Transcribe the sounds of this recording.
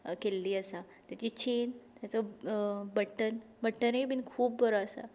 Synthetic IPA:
kelːiːəsa | t̪jat͡ɕiːt͡ɕʰent̪jat͡sə | bəʈːən | bəʈːənɦebinkʰuːp̚bəɾaəsa̰

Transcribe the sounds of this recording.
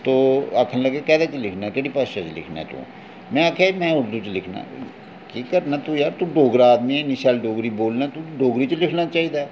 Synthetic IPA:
t̪oːəkʰnləɡekɛːd̪aːt͡ʃlɪkʰnaɛkeːɽiːpaʃat͡ʃlɪ̰kʰna̰ɛ̰t̪ṵ̃ː | mɛ̃ːaːkʰaːmɛ̃ːʊɾd̪ut͡ʃlɪkʰna̰ː | keːkəɾnaːt̪uːjaːɾt̪ũːɖoːɡɾaːd̪miːɛːnɪʃaːlɖoːɡɾiːboːlnaːt̪uɖoːɡɾiːt͡ʃlɪkʰnaːt͡ʃaːɦiːd̪aː

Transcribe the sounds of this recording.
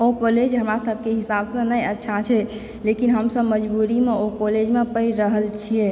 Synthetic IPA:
okoled͡ʒɦəmɾasəbʱkeɦisabsə̃nəjətːʃʰat͡ʃʰɛ | lekinɦəmsə̃məd͡ʒbuɾimeokoled͡ʒmepəiɾəɦəlt͡ʃʰie

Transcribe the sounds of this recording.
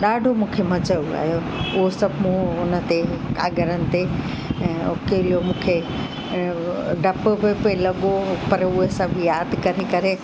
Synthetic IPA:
ɗaːɖʱomũːkʰemɐd͡ʑəua̰ːɦjo | ʊɦosɐbʱmũʊnə̆t̪eka̰ːɡəɾənɪ̆t̪e | ɛ̃ːokeːlijomũːkʰe | ɖʱɐpbepelɐɠopɐɾʊɦesãbʱijaːd̪kɐɾekɐɾe

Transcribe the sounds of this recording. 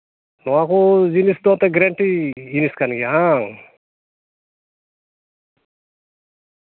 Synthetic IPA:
nɔakod͡ʒinist̪ɔt̪eɡɾeɳʈid͡ʒiniskanɡiɦa

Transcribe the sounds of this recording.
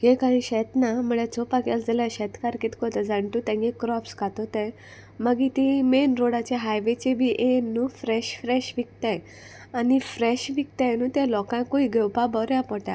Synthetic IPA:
ɡekaɽ̃ĩɕɛt̪naməɭat͡sopakjald͡zəljaɕɛt̪kaɾkit̪kɔt̪ɛd͡zaɳʈut̪ɛ̃ŋɡekɾɔpskat̪ɔt̪ẽ | məɡit̪ĩmenɾoɽat͡ɕeɦajʋet͡ɕebʱiʔenːũfɾɛɕfɾɛɕʋik̚t̪ẽj | anifɾɛɕʋik̚t̪ẽnũːt̪ẽlɔkãkoiɡewpabɔɾjapɔʈa̰

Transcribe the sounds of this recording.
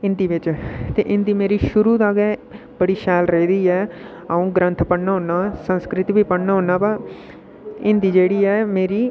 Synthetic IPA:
ɪnd̪iːʋɪt͡ʃt̪eːʔɪnd̪iːmeːɾiːʃʊɾuːd̪aːɡɛː | bəɽiːʃɛːlɾəiːd̪iːɛː | aũːɡɾə̃nt̪ʰpəɽnaːɦõːnaːsənskɾɪt̪biːpəɽnaːɦõːnaːbaː | ɪnd̪iːd͡ʒeːɽiːɛːmeːɾiː

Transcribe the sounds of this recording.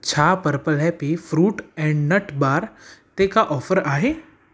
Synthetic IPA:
t͡ʃʰaːpəɾpəlɦɛpifɾuːʈɛ̃ːɳɖnəʈbaːɾt̪ekaʔɔːfʰəɾaːɦe

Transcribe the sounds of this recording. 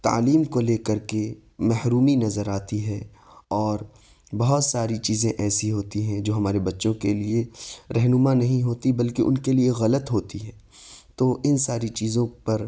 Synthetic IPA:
t̪a̰ːliːmkoleːkɐɾke | mɛɦɾuːminɐzəɾaːt̪iɦɛ | ɔːɾ | bɐɦʊt̪saːɾit͡ʃiːzẽʔɛːsiɦoːt̪iɦɛ̃d͡ʒoːɦɐmaːɾebɐtːʃõkelieɾɛɦnʊmanɐɦĩɦoːt̪ibɐlkeʔʊ̰nkelieɣɐlət̪ɦoːt̪iɦɛː | t̪oːʔɪnsaːɾit͡ʃiːzõpɐɾ

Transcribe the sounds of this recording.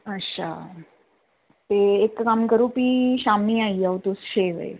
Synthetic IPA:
əɕʰa̰ | t̪eːkːamkəɾuːpiɕamiːaiawt̪usɕeʋə̰j

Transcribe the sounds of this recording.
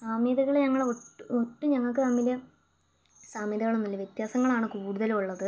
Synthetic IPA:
saːmjiðiɣɐɭɲɐŋːɐɭoʈːoʈːuɲɐŋːɐɭkɨnɐmːiljɐ | saːmjiðiɣɐɭonːilːɐʋjet̪jaːsɐŋːɐɭaːɳɨkuːɽuðɐluɭːɐðɨ

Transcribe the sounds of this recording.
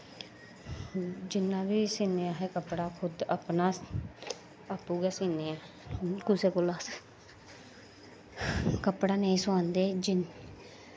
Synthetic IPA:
d͡ʒɪnːãːbiːsiːneːaːɦeːkəpɽaːkʰʊd̪əpnaː | əpːuːɡɛːsiːneːɛː | kʊseːkʊlaːs | kəpɽaːneːĩːsʊãːnd̪eːd͡ʒɪn

